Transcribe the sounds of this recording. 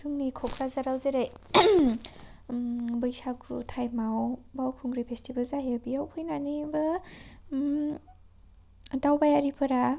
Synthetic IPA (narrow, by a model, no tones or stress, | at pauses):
sʰɯŋnikʰɔkʰɾazaɾawzɯɾaj | bɯjsakʰutʰajmawbawkʰuŋɾipʰestʰibalzaɦebiawpʰɯjnanibɯ | dawbajaɾipʰɯɾa